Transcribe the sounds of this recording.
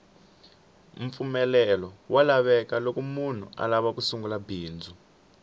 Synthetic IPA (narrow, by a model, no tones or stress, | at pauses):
ɱfumɛlɛlɔwalaβɛkalokumun̤ua̰laβakusuŋɡulabiːnd͡zʱu